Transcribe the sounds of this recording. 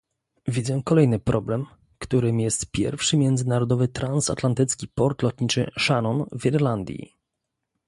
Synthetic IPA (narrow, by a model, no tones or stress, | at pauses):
vʲid̪zɛ̃kɔlɛjnɘpɾʔɔblɛm | kt̪uɾɘmjɛst̪pʲjɛ̰ɾfʂɘmʲjɛnd̪zɘnaɾɔd̪ɔvɘt̪ɾansa̰t̪lant̪ɘt̪skʲipɔɾt̪lɔt̪ɲit͡ʂɘ̰ʂanɔnviɾland̪ʲjḭ